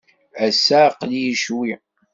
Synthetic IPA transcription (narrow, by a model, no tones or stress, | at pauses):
æsːæqljiʃwi